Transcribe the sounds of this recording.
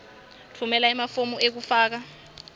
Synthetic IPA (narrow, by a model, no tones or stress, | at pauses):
tʰumɛlaimafomuek̬ufaːk̬a